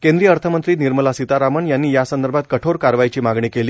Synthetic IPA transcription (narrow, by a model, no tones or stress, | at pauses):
kẽnd̪ɾijəəɾt̪ʰəmənt̪ɾiːniɾməlasit̪aɾaməɳjanːiːjasənd̪əɾbʱat̪̚kəʈʰoɾkaɾʋajt͡ɕiːmaɡɳiːkeliː